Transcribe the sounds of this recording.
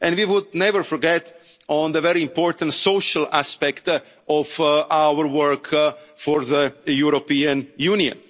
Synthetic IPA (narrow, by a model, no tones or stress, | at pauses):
ʔɛ̃nwiwʊd̪̚nɛvəɾfɔɾɡɛt | ɔ̃nðəvɛɾiĩmpɔɹt̪ãntsoʃalaspɛkt̪ | ɔfawəɾwəɾkfɔɾðəjuɾopiãnjuniɔ̰̃n